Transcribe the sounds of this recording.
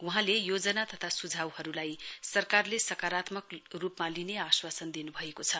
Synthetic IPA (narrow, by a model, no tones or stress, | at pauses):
wuɦãlejod͡zʌnat̪ʌt̪ʰasud͡zʱawhʌɾulajsʌrkarlesʌkaɾat̪mʌkrupmalineaswasʌnd̪inubʱʌekot͡sʰʌ